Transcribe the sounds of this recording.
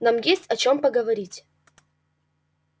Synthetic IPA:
namjesʲtʲɐt͡ɕompəɡəvɐɾʲitʲ

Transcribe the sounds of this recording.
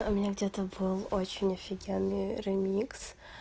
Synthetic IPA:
ʊmʲɪnʲaɡdʲet̪əbɨlˠot͡ɕɪnʲɐfʲɪɡʲenːɨjɾɪmʲiks

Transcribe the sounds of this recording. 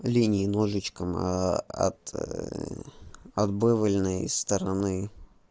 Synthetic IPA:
lʲinʲɪːnoʐɨt͡ɕkəmɐ̰t̪ | ɐd̪bɨvəlʲnəjsːt̪əɾɐnɨ

